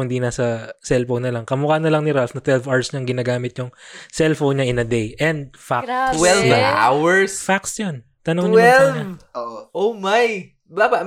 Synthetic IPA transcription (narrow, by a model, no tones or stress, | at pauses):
ʊnd̪inasɐsɛlfownɐlɐŋkɐmʊkanɐlɐŋnɪɾalfnɐt̪wɛlvaɹsɲɐŋɡɪnaːɡaːmɪt̪̚ɲʊŋsɛlfonɲaʔɪnɐd̪ejʔɛnd̪̚fakwɛla̰wɛɹsfaksjon | t̪ɐnoŋɲwɛɲɐoʔʔomaj | babɐ